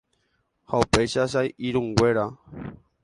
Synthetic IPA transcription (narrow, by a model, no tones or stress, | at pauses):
haupejʃaʃ̬ajiɾũŋɡweɾa